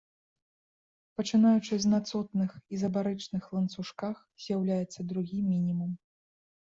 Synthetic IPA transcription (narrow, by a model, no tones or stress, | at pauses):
pɐt͡ʂɨnajut͡ʂɨzʲnat̪sɔt̪nɨxizɐbaɾɛt͡ʂnɨxlˠɐnt̪suʂkax | z̥ʲjawlʲajɛt̪sːɐd̪ɾuɣʲimʲinʲimum